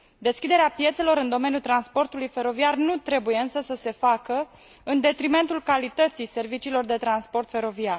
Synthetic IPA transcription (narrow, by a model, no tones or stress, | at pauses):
d̪e̞skʲid̪e̞ɾeapje̞t̪se̞lo̞ɾɨnd̪o̞me̞nʲjult̪ɾanspo̞rt̪ulujfe̞ɾo̞viarnut̪ɾe̞buje̞ɨnsəsəse̞fakə | ɨnd̪e̞t̪ɾime̞nt̪ulkalit̪ət̪sijse̞rvit͡ʃiːlo̞rd̪e̞t̪ɾanspo̞rt̪fe̞ɾo̞viar